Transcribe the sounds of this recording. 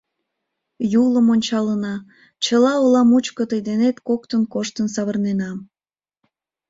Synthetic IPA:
juləmonʲt͡ɕɑlənɑ | t͡ɕəlɑolɑmut͡ɕkət̪əjd̪enet̪kok̚t̪ənkoʃt̪ənsɑβərnenɑm

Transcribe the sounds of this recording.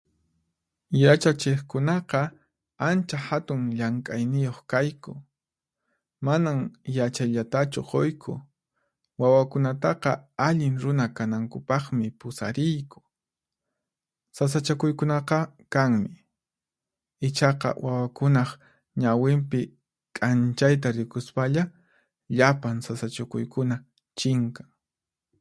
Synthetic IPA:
jat͡ʃat͡ʃɪχkʊnɑqɑ | ant͡ʃahat̪ʊŋʎaŋkʼajnɪjoχkajkʊ̰ | manaŋjat͡ʃajʎat̪at͡ʃʊqojkʰʊ̰ | wawakʊnat̪ɑqɑaʎɪŋɾʊnakanaŋkʊpɑχmɪpʊsaɾɪjkʊ̥ | sas̬at͡ʃakʊjkʊnɑqɑkaŋmɪ | ɪt͡ʃɑqɑ̰wawakʊnɑχ | ɲawɪmpɪ | kʼant͡ʃajt̪̬aɾɪkʊspaʎa | ʎapansasat͡ʃʊkʊ̰jkʊna | t͡ʃɪŋkaŋ

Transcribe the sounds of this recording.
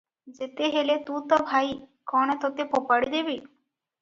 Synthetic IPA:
d͡zet̪eɦelet̪ũt̪əbʱaikɔɽ̃et̪ɔt̪epopaɽid̪eʋiː

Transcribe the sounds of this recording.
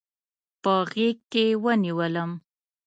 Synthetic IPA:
pəɣek̚ːewəniwələm

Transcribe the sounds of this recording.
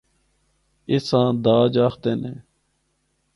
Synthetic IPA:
ɪsãːd̪aːd͡ʒaːxt̪eːnẽː

